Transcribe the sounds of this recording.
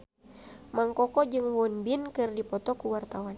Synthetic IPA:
maŋkɔkɔd͡ʒɨŋwɔnbinkɨrdipɔt̪ɔkuwart̪awan

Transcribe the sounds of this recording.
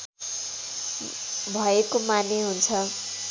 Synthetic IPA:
bʱʌekomaneɦunt͡sʰʌ

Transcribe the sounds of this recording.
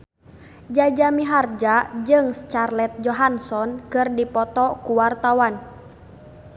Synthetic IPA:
d͡ʒad͡ʒamiɦard͡ʒad͡ʒɨŋst͡ʃarlɛt̪̚d͡ʒɔɦansɔnkɨrdipɔt̪ɔkuwart̪awan

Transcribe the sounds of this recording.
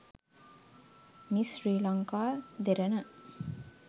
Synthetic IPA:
misriːlaŋkaːd̪eɾənə

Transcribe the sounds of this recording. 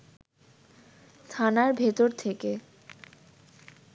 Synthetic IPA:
t̪ʰanaɾbʱet̪oɾt̪ʰeke

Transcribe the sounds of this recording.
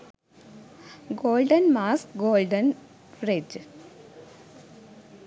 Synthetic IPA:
ɡoːlɖɐnmaːsɡoːlɖɐn | fred͡ʒ

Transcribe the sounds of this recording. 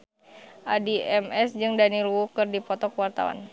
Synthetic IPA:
ʔadiɛmɛsd͡ʒɨŋdanilwukɨrdipɔt̪ɔkəwart̪a̰wa̰n

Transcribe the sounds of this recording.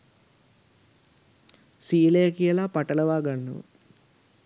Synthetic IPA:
siːlejɐkijɐlaːpɐʈɐlɐʋaːɡɐɳːṵʋ̰

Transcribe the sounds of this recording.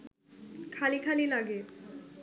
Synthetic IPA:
kʰalikʰalilaɡe

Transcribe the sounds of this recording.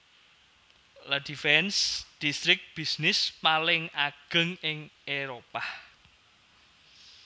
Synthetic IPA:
lad̥ifɛnsd̥ist̪ɾɪk̚b̥isnɪspalɪŋaɡ̥ə̤ŋɪŋeɾopah

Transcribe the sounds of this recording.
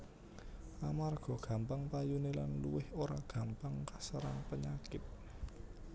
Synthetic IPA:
amarɡ̥ɔ̤ɡ̥a̤mpaŋpajunelanlṵwɪhoɾaɡ̥ä̤mpaŋkasəɾaŋpəɲakɪt̪̚

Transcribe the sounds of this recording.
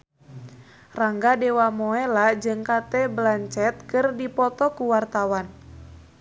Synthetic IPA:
raŋɡadɛwamɔɛlad͡ʒɨŋkat̪ɛblaɲt͡ʃɛt̪̚kɨrdipɔt̪ɔkuwart̪awan

